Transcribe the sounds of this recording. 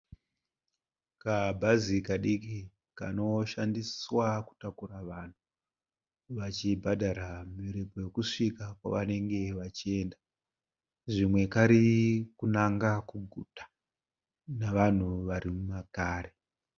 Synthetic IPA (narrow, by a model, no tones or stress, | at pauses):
kabʱazikaɗiki | ka̰no̞ʃandiswaku̥takuraʋan̤u | ʋat͡ʃibʱadʱaɾamiɾipoje̞kuʂikakwa̰ʋane̞ŋɡe̞ʋat͡ʃie̞ːnda | ʐimwe̞kaɾikunaŋɡakuɡʱutḁ | naʋan̤uʋaɾimumakaːɾe